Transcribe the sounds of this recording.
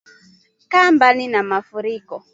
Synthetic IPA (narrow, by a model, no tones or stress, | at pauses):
kambaninamafuɾikɔ